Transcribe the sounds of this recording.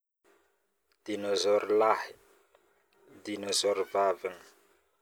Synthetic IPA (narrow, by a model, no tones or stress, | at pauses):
d̪̥inɔzɔɾlahi̥ | d̪inɔzɔɾvavin